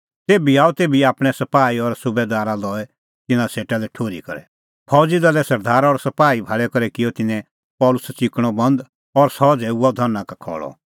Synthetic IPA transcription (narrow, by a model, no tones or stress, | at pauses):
t̪eːbiaːut̪eːbiaːpɽ̃ɛ̃sɐpaːiɔɾsʊbed̪aːɾalɔːɛ | t̪ɪnãseːʈalɛʈʰoːɾḭkɐ̰ɾɛ̰ | pʰɔːd͡zɪd̪alɛsɐɾd̪aːɾaɔːɾsɐpaːibʱaːɭɛkɔɾɛkɪjɔt̪ɪnɛ̃ | pɔːlʊsɛt͡ʃɪkɽ̃ɔbɐ̃nd̪ | ɔɾsɔd͡zɛuɔd̪ʱɔnːãkakʰɔ̰ːɭɔ̰